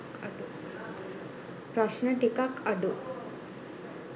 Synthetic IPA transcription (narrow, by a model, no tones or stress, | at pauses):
kɐɖu | pɾɐsnəʈikakɐɖu